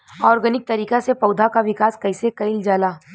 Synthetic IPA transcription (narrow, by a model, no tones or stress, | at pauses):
ɔːɾɡənɪk̚t̪ɐɾiːkasepɐʊd̪ʱakaʋɪkaːskɐɪsekɐɪld͡ʒaːlaː